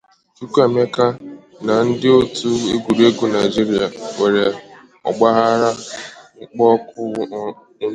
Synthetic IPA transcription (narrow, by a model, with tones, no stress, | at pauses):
t͡ʃu˦kʷa˦˨me˦ka˦ | na˨n̩˦dɪ˦o˦tu˦e˦ɡu˨ɾe˦ɡu˦na˨ɪ˨d͡ʒi˦ɾi˦a˨ŋʷe˨ɾe˨ | ɔ̰˨ɡ͡ba˦ɣa˦ɾa˦ŋ͡m̩˦k͡pɔ˦kʊ˦